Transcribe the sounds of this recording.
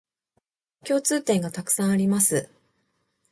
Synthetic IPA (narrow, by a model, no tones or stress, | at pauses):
kʲo̞ːt͡sɨːt̪ẽ̞ŋɡat̪akɯ̟̥sãɰ̃aɾʲimasɨ